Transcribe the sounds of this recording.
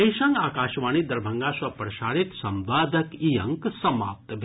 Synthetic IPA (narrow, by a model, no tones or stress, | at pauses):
ejʃɐ̃ŋɡaːkaːʃʋaːnid̪ɐɾbʱɐŋɡaːsʋɐpɾɐʃaːɾit̪sɐmʋaːd̪ɐkijɐ̰ŋksɐma̰ːpt̪bʱ